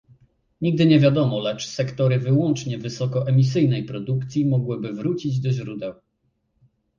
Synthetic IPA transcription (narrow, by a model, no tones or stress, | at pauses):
ɲiɡ̚d̪ɘɲɛvʲjad̪ɔmɔlɛt͡ʂsɛkt̪ɔɾɘvɘwɔnt͡ʂɲɛvɘsɔkɔʔɛmʲis̬ɘjnɛjpɾɔd̪ukt̪sʲjimɔɡwɘbɘvɾut͡ɕid͡ʑd̪ɔʑɾud̪ɛw